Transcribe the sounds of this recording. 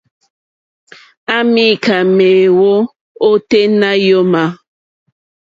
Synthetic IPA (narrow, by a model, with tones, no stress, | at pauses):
a˦mi˦˨ka˨meː˨wo˦ | o˦te˦na˦jo˦ma˨